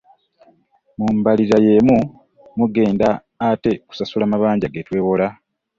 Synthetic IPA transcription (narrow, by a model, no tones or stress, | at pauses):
mumbaliɾaje̞mu | muɡe̞ːndaː | te̞ku̥sasulamaβaːɲɟaɡetwe̞ːβo̞la